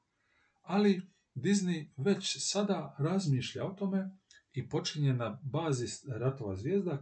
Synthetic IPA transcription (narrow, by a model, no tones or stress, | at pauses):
ali | d̪izniʋe̞t͡ɕsad̪aɾazmiːʃʎa̰o̞t̪o̞me̞ | ipo̞t͡ʃiɲe̞nabaːzisɾat̪o̞ʋa̰zʋjeːzd̪a